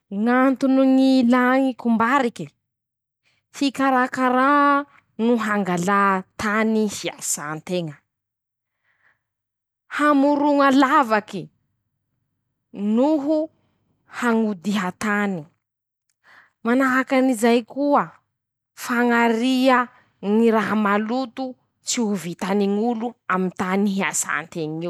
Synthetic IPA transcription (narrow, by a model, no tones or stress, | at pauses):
ŋant̪unuŋilaŋikumbaɾiki | fikaɾakaɾa | nuɦaŋɡalat̪anihiasant̪eŋə | hamuɾuŋalavaki | nuɦu | haŋud̪iɦat̪ani | manaɦakanizajkuə | faŋaɾiə | ŋiɾaɦamalut̪u | t͡siuvit̪aniŋuluamint̪aniɦiasa̰nt̪eŋi